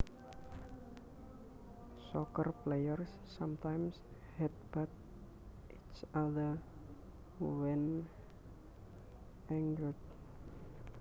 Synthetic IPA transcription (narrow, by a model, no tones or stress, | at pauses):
sɔkərplejərsːamt̪ajmshɛt̪̚b̥at̪̚ | ʔit͡ʃaðə | wɛn | ɛŋɡəlt̪̚